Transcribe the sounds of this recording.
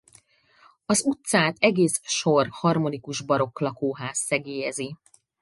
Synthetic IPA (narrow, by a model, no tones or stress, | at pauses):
ɒzut̪saːt̪ɛɡeːsʃo̞rhɒrmo̞nikuʒbɒɾo̞klɒkoːɦaːsːɛɡeːjɛzi